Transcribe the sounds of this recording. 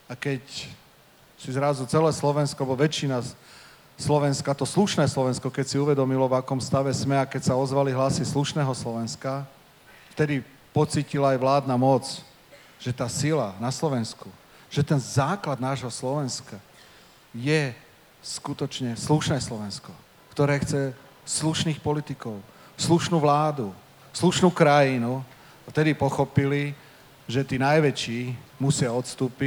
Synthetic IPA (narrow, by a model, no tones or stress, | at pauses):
akɛc | sizɾazut͡sɛlɛːslɔʋɛnskɔaɛbɔʋɛt͡ʃina | slɔʋɛnskat̪ɔsluʃnɛːslɔʋɛnskɔkɛcsiuʋɛd̪ɔmilɔvakɔmst̪aʋɛsmɛakɛcsaɔzʋaliɦlasisluʃnɛːɦɔslɔʋɛnska | ft̪ɛd̪i | pɔt͡siːcilaːjʋlaːd̪namɔt͡s | ʒ̥ɛt̪aːsilanaslɔʋɛnsku | ʒ̥ɛt̪ɛnzaːklad̪̚naːʒɦɔslɔʋɛnska | jɛ | skut̪ɔt͡ʃɲɛsluʃnɛːslɔʋɛnskɔ | kt̪ɔɾɛːxt͡sɛ | sluʃniːxpɔlit̪ikɔʊ | sluʃnuːʋlaːd̪u | sluʃnuːkɾajinu | aft̪ɛd̪ipɔxɔpili | ʒɛt̪iːnajʋɛt͡ʃiːmusɪaɔt̪st̪uːpi